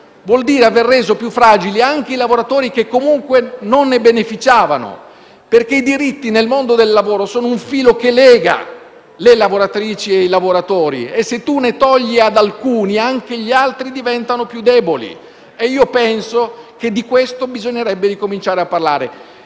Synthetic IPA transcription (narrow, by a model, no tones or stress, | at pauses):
vwɔld̪iːɾeaverːeːzopjufːɾaːd͡ʒiliaŋk̟eilavoɾat̪oːɾikekːomuŋkwenonːebenefit͡ʃaːvano̰ | perk̟eid̪iɾit̪ːinelmond̪od̪elːavoːɾosoːnouɱfiːlokelɛːɡa̰ | lelavoɾat̪ɾiːt͡ʃieilavoɾat̪ɔːɾḭesːet̪ːunet̪ɔʎːiad̪alkuːniaŋk̟eʎialt̪ɾid̪ivɛnt̪anopjud̪ːɛːbolḭ | eiːopɛnsoked̪ːikwest̪obizoɲːeɾɛbːeɾikomint͡ʃaːɾeapːarlaːɾḛ